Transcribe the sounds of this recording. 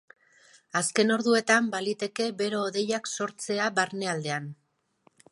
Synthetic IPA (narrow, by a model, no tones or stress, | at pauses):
aske̞no̞ɾðue̞t̪ambalit̪e̞ke̞βe̞ɾo̞ːðe̞jakso̞ɾt͡se̞aβaɾne̞ald̪e̞an